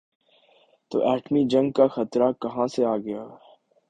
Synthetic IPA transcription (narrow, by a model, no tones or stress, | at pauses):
t̪o̰ːʔɛːʈmid͡ʒɐ̃ŋɡ̚kaxɐt̪ɾakɐɦãseaːɡɐjaː